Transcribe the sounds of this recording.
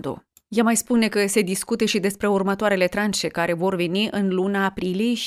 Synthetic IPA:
d̪ṵ | jamajspune̞kəse̞d̪iskut̪eʃid̪e̞spɾe̞urmət̪oaɾe̞le̞t̪ɾanʃe̞kaɾe̞vo̞rve̞niʔɨnlunaːpɾilie̞jʃ

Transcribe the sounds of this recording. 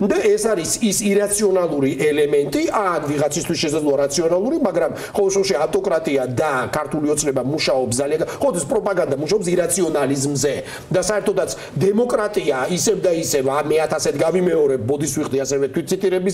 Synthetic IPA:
d̪aɛsaɾisisiɾat̪sʰiɔnalˠuɾiʔɛlɛmɛnt̪ʼiakʰviʁat̪sʰist̪ʰwisʃɛsad̪lˠɔaɾat̪sʰiɔnalˠuɾimaɡɾam | χɔlˠɛʃɛʃiaft̪ʼɔkʼɾat̪ʼiad̪akʰaɾt̪ʰuliɔt̪sʰnɛbamuʃaɔpsd̪alianaχɔlɔt̪ʰispʼɾɔpʼaɡand̪amuʃaɔps̬iɾat̪sʰiɔnalizmzɛ | d̪asaɛɾt̪ʰɔd̪at̪sʰ | d̪ɛmɔkʼɾat̪ʼiaisɛvd̪aisɛvamɛat̪ʰasɛt̪ɡavimɛɔɾɛp̚bɔd̪iswiqʼd̪iasɛvɛt̪ʰwit̪̚t̪sʰit̪ʼiɾɛbis

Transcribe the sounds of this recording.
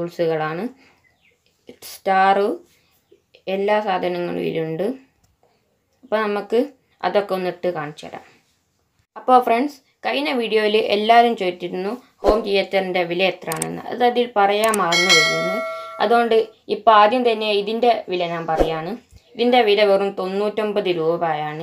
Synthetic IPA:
uːɭsuɣɐɭaːɳɨ | staːru | elːaːsaːd̪ʱɐnɐŋːɐ̰ɭ̰ʋḭluɳɖɨ | ɐpːoːnɐmukːɨ | ɐ̰ðo̞kːe̞onːiʈːɨkaːɳit͡ɕːɐ̰ɽa̰ːm | ɐpːo̞ːfreɳɖs | kɐjnɐʋiːɽijo̞ːjilʔḛlːaːɾumt͡ɕeːitːiɾunːu | ho̞ːmkijetːɐrinde̞ʋilɐjet̪raːɳḛnːɨ̰ɐ̰ðɨɐðilpɐrɐjaːmːaːrɐnːuʋɐjunːɨɐ̰ðuɣo̞ɳɖɨipːoaːd̪jɐmt̪ɐnːe̞iðinde̞ʋilɐɲaːmpɐrɐjːaːɳɨiðinde̞ʋilɐʋerumt̪o̞nːuːtːombɐðɨɾuːbɐβaːjaːɳɨ

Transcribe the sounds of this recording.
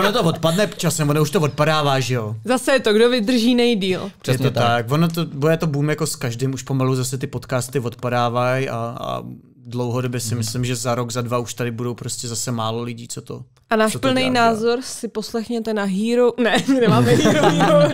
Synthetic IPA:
vonot̪ovot̪padnɛpt͡ʃasɛmvonouʃt̪ovot̪̚padaːvaːʒɛjo̞zasɛjɛt̪oɡdovɪd̪r̩ʒiːnɛjdiːlɛɛt̪ot̪akvonot̪obojɛt̪obumjakoskaʒdɪmuʃpo̞maluzasɛt̪ɪpo̞t̪kaːst̪ɪvo̞t̪̚padaːvaja̰a̰ | dlowɦodo̞bjɛsɪmɪslɪmʒɛzaɾo̞ɡzadvauʃt̪adɪbudo̞wpɾo̞scʲɛzasɛmaːlo̞lɪɟiːt͡sot̪o̰ | ʔanaːʃsotpl̩nɛjnaːzoɾsɪposlɛxɲɛt̪ɛnaɦiːɾonɛmɪnɛmaːmɛɦɾo

